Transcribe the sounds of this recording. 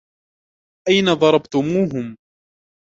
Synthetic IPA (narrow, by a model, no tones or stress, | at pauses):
ʔajnaðˤɑɾˤɑbt̪ʊmuːɦʊm